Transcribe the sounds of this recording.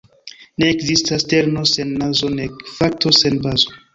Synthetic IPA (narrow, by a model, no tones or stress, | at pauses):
ne̞ːkzistaste̞ɾno̞se̞nːazo̞nefak̚tʰo̞se̞nbazo̞